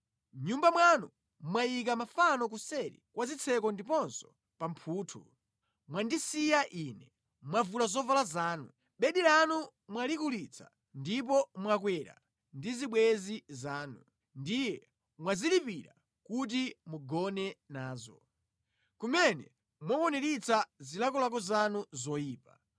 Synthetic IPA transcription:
ɲumbamwanu | mwajik̬amafanɔk̬usɛɾḭkwazit͡sʰɛkɔndipɔnsɔ̥ | pampʰuːtʰṵ | mwandisijaʔinɛ | mwavulazɔvalazaːnu | ɓɛɗiɾanu | mwalikulit͡sʰḁ̰ | ndip̬ɔmwakwɛɾa̰ | ndiziɓwɛzizaːnu | ndijɛ | mwazilipiɾa̰ | kut̬imuɡɔnɛnaːzɔ | kumɛnɛ̰ | mwɔkɔnɛɾit͡sʰazilakɔlak̬ɔzanuzɔjiːpa

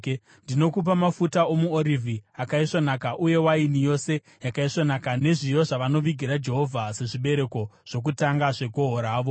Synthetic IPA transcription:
ndino̞kup̬amafutaomuoɾivʱiakaiʂonakaʔuje̞wainijo̞se̞ | jakaiʂonakane̞ʐijo̞ʐaʋano̞ʋiɡʱiɾad͡ʒe̞ɦo̞vʱase̞ʐiɓe̞ɾe̞ko̞ʐ̥o̞k̬utaŋɡaʐe̞ɡʱo̞ɦoɾaːʋo̞

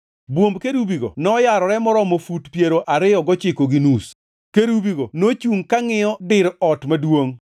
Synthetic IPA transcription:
bwombkeɾubiɡo̰nɔjaɾɔɾɛmɔɾɔmofutpjeɾoʔaɾɪɔɡɔt͡ʃɪkoɡinus | keɾubiɡonot͡ʃuŋkaŋɪɔdɪɾɔtmadwoŋ

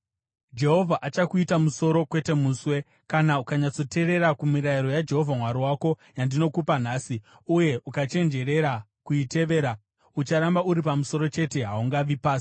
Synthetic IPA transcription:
d͡ʒe̞ɦo̞vʱaʔat͡ʃakuitamuso̞ɾo̞kwe̞te̞muːswe̞ | kanaukaɲat͡so̞te̞ɾe̞ɾakumiɾaiɾo̞jad͡ʒe̞ɦo̞vʱamwaɾiwako̞jandino̞kupanaːsi | uje̞ʔukat͡ʃe̞nd͡ʒe̞ɾe̞ɾa | kuite̞ʋe̞ːɾa | ut͡ʃaɾambauɾipamuso̞ɾo̞t͡ʃe̞te̞ɦauŋɡaʋipaːsi̥

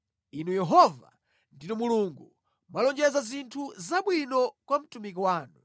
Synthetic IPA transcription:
inujɛɦɔva̰ | nditumuluŋɡu | malɔnd͡ʒɛzazintʰuzaɓwinɔkwam̩tumik̬iwaːnu

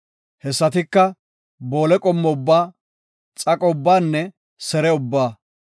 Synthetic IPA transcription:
hɛsːɐt̪ɪkːɐ | boːlɛkʼɔmːɔʊbːaː | t͡sʼɐkʼɔʊbːaːnːɛ | sɛɾɛʊbːaː

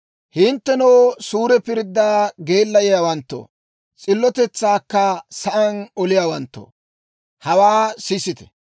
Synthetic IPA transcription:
hɪnt̪ːɛnowsuːɾɛpɪɾd̪ːaːɡeːlːɐjɪjawɐnt̪ːo̰ː | t͡sʼɪlːɔt̪ɛt͡sːaːkːɐsɐʔɐnɔlɪjaːwɐnt̪ːo̰ː | hɐwaːsɪsɪt̪ɛ̥

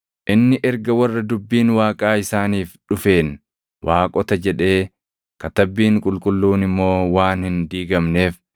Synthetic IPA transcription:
ʔɪnːɪʔɛɾɡɐwɐrːɐd̪ʊbːiːnwaːkʼaːɪsaːniːfᶑʊfe̞ːn | wʔaːkʼɔt̪ɐd͡ʒɛᶑe̞ː | kɐt̪ɐbːiːŋkʼʊlkʼʊlːuːnɪmːo̞ːwaːnhɪnd̪iːɡɐmne̞ːf

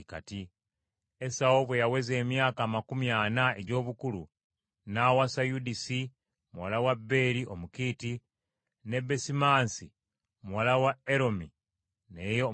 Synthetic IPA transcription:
ka̰ti | esaoβwejaweze̞ːmjaːkaːmakumjaːnae̞̰ɟo̞ːβukulu | nawasajudisi | muwalawabːe̞ːɾiʔomukiːti | ne̞besimaːnsi | omuwalawae̞ɾo̞mi | nejo

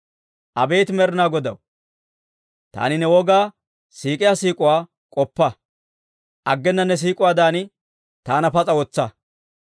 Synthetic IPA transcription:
ʔɐbe̞ːt̪ɪmɛɾnaːɡɔd̪ɐw | t̪a̰ːnɪnɛwɔɡaː | siːkʼɪjaːsiːkʼʊwaː | kʼɔpːɐ | ʔɐɡːɛnːɐnːɛs̬iːkʼʊwaːd̪aːnɪ | t̪aːnɐpɐt͡sʼɐwɔt͡sːɐ

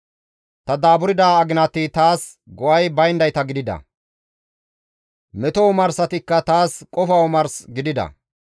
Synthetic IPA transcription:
t̪ɐd̪aːbʊɾɪd̪aːɐɡɪnɐt̪ɪt̪aːs | ɡɔʔɐjbɐjnd̪ɐjt̪ɐɡɪd̪ɪd̪ɐ̰ | mɛt̪ɔwmɐɾsɐt̪ɪkːɐt̪aːskʼɔfɐwɔmɐɾsɡɪd̪ɪd̪ɐ̰

